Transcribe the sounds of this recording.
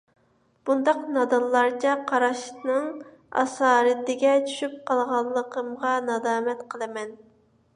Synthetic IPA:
b̥und̪ɑqnɑd̪ɑnlˠɑɾt͡ʃʰɛqʰɑɾɑʃnɨŋ | ɑ̰sɑːɾɨt̪ɪɡʲɛt͡ʃʰy̥ʃyp̚qʰɑlˠʁɑlˠːəqʰəmʁɑnɑd̪ɑːmɛt̪qʰəlˠɨmɛn

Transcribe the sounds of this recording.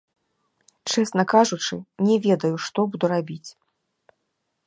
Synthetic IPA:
t͡ʂɛsnɐkaʐut͡ʂɨnʲɛvʲɛd̪ɐjuʂt̪ɔbud̪uɾabʲit͡sʲ

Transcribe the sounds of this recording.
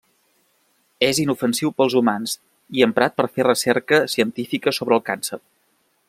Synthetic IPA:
ezinufənsiwpəlˠzumanz | iəmpɾat̪̚pəɾferəsɛɾkəsiənt̪ifikəsoβɾəːlˠkansər

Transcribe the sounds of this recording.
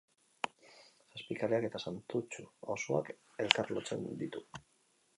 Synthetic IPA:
saspikaleake̞t̪asant̪ut͡ʃuosoa̰k | e̞lkarlot͡se̞̰nd̪it̪u

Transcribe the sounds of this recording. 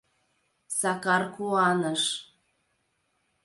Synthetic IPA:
sɑkɑrkuɑnɤʃ

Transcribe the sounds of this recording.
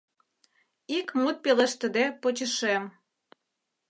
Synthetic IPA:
ikmut̪̚peleʃt̪ə̆d̪epot͡ɕəʃem

